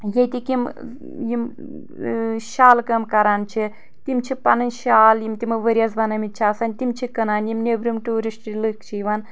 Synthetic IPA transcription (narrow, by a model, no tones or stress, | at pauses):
jet̪ʲikim | jim | ʃaːlkɐmkɐɾaːnt͡ʃʰi | t̪imt͡ʃʰipɐnɐnʃaːljimt̪ʲimɨʋɐɾʲɐzbɐnɐmit͡ʃʰaːsɐnʲt̪imt͡ʃʰikɐnaːnjimnebɾimʈuːɾisʈlɨk̚t͡ʃʰiʋan